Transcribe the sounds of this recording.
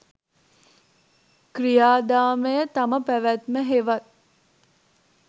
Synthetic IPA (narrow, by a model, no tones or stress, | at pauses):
krijaːd̪aːməjət̪ɐməpæʋæt̪məɦeʋɐt̪̚